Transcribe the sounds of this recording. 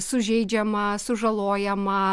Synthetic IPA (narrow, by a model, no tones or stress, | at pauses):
sʊʒʲɛɪd͡ʒʲɛmɐsʊʒɐlˠoːjɛmɐ